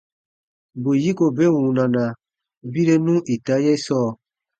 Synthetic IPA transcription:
bo˨ji˦ko˨be˦wũ˨nã˨nã˨ | bi˦ɾe˦nũ˦ʔi˨ta˨˦jɛ˦sɔː˦˨

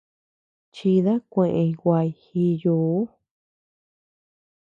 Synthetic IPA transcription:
t͡ʃi˧ða˦kʷẽ˧ʔẽ˧ĩ˧wʷa˧i˧hi˧juː˧˨˦

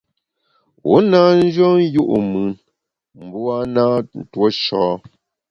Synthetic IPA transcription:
wʔo̰˨˦naː˦n̩˦d͡ʒɔ˦n˦ju˦ʔṵ˨mʉ˨n | m̩˨bu˦a˦naː˦n̩˦˨two˦ʃɔː˨˦

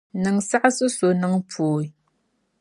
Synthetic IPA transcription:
nɨ˨ŋsa˦ʔsɨ˦so˨nɨ˨ŋpoː˨i˨

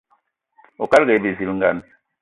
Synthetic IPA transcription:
o˨ka˦lɡe˨˦be˨vi˨˦lŋ̩˦ɡa˦˨n

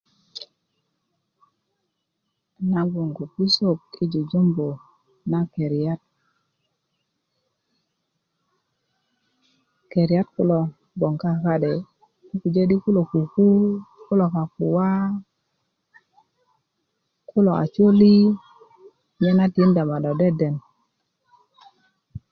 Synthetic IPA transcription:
na˨˦ɡo˨ŋɡo˨pi˦so˦˨k̚i˦d͡ʒu˨d͡ʒo˦mbo˨ | na˦ke˨ɾa˦t̚ | ke˨ɾi˨a˦tkʊ˦lɔ˨ | bɔ˨ŋka˦ka˦dɛ˨ | ku˦ku˨d͡ʒe˦di˦ku˦lo˨ku˨ku˦kʊ˦lɔ˨ka˨ku˨wa˦ | kʊ˦lɔ˨a̰˨t͡ʃwo˦li˦ | mɛ˦na˦ti˦nda˨ma˨dɔ˨dɛ˦dɛ˨n

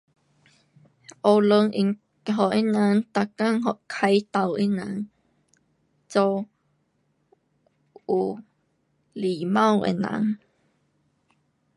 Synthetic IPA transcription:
ʔo˧wlə˧ŋʔi˧ŋ | ɦɔ˨ʔi˦˥na˨˥˦ŋt̪a˧˨ka˥˨ŋɦɔ˧˨ʔkʰa˧jt̪a˧˩wʔi˦˥nã˨˧˦ŋ | t͡so˧w | u˨˧˩ | li˨mã˥˧˨wʔḛ˧˨na̰˧˦ŋ

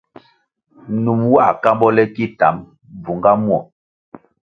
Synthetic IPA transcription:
nu˨mwa˦˨ka˦mbɔ˦lɛ˦ki˦ta̰˨˦m | b͡vu˨ŋɡa˦mwɔ˦˨

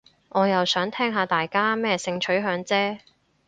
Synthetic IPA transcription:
ŋʔɔː˨˧jɐ˨wsœː˨˥ŋt̪ʰɛː˥ŋɦaː˧t̪aː˨jkaː˥mɛː˥sɪ˧ŋt͡ʃʰɵ˨˥ɥɦœː˨˧˥ŋt͡sɛː˥

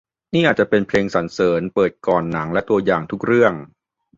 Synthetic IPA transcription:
niː˥˩ʔaː˨˩t̪t͡ɕa˨˩pe˧npʰleː˧ŋsa˩˦nsɤː˩˦npɤː˨˩t̪̚kɔː˨˩nːa˩˦ŋlɛ˦˥t̪u˧ɐjaː˨˩ŋt̪ʰu˦˥k̚ɾɯ˥˩əŋ

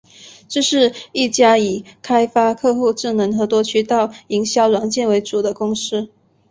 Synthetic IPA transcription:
ʈ͡ʂɤ˥˧ʂɻ̩˥˧i˥˩t͡ɕja˥i˨˩kʰa˥ɪfa˥kʰɤ˥˧xu˥˧ʈ͡ʂɻ̩˥˩nɤ˧˥ŋxɤ˧˥t̪wɔ˥t͡ɕʰy˥t̪ɑ˥˩ʊi˧˥ŋɕjɑ˥ʊɻwa˨˩nt͡ɕjɛ˥˩nwe˧˥ɪʈ͡ʂu˨˩d̪ə˦kʊ˥ŋʂɻ̩˥

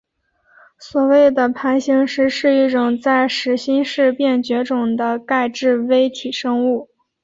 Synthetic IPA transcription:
swɔ˨˩we˥˩ɪd̪ə˩pʰa˧˥nɕi˧˥ŋʂɻ̩˧˥ʂɻ̩˥˧i˥˩ʈ͡ʂʊ˨˩ŋt͡sa˥˩ɪʂɻ̩˧˥ɕi˥nʂɻ̩˥˧pjɛ˥˩nt͡ɕɥɛ˧˥ʈ͡ʂʊ˨˩ŋd̪ə˦ka˥˧ɪʈ͡ʂɻ̩˥˧we˥ɪt̪ʰi˨˩ʂɤ˥ŋu˥˩

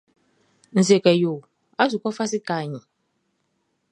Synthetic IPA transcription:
n̩˨ze˨kɛ˨jo˨ | a˦su˨kɔ˦fa˦sɪ˦kaː˨ɲĩ˨

